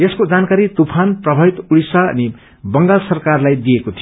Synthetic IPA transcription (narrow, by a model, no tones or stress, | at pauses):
eskod͡zankaɾit̪upʰanprʌbʱait̪uɽisaʌ̰ni | bʌŋɡalsʌrkarlajd̪ijekot̪ʰio